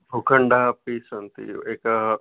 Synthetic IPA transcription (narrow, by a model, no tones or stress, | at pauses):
bʱukʰəɳɖapisənt̪ḭeka